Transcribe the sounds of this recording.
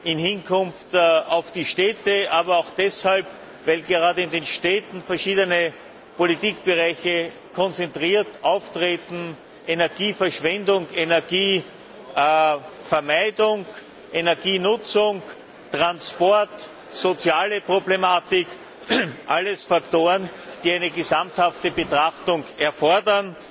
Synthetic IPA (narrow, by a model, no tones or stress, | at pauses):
ɪnhɪnkʰʊnftaʊfd̥iʃtɛːtəʔaːbɐaʊxd̥ɛshalp | væɪlɡeʁaːdəɪndenʃtɛːtn̩fɛɐʃiːdənə | politiːk̚b̥eʁaɪçə | kʰɔnt͡sentʁiːɐtʔaʊftʁeːtn̩ | ʔenɛɐɡiːfɛɐʃv̥ɛndʊŋenɛɐɡiː | fɛɐmæɪdʊŋ | ʔenɛɐɡiːnʊt͡sʊŋ | tʁ̥anspɔɐt | sot͡sjaːləpʁoblemaːtɪk | ʔalːəsfaktoːʁənd̥iːæɪnəɡəzamthaftəbətʁaxtʊŋɛɐfɔɐdɐn